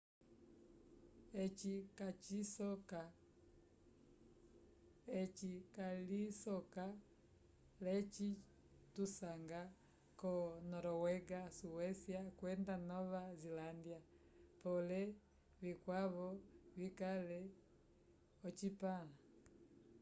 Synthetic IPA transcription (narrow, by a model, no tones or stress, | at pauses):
ɛt͡ʃikat͡ʃisɔka | ɛt͡ʃikalisɔka | lɛt͡ʃi | tusaŋɡa | kɔnɔɾɔwɛɡasuwɛsiakwɛndanɔβazilandia | pɔlɛ | vikwaβɔβikalɛ | ɔt͡ʃipala